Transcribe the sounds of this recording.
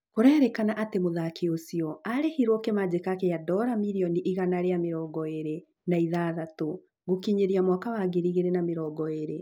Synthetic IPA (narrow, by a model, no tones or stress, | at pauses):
koɾɛːɾɛkanaʔatemoðakiosiɔaɾehiɾwɔkemad͡ʑekakejadɔɾamiɾiɔniʔiɣanaɾeameɾɔːɡɔeɾe | naiðaːðato | ɣokiɲeɾiamwakawaɡeɾiɣeɾenameɾɔːɡɔeɾe